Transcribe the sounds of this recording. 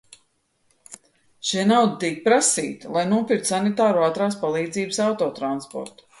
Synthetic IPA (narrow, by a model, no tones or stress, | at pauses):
ʃiɛnawd̪it̪iɛk̚pɾasḭːt̪lˠajnuɔpiɾt̪sanit̪aːɾuat̪ɾaːspalˠiːd̪ziːbəsawt̪ɔːt̪ɾanspɔ̰ɾt̪u̥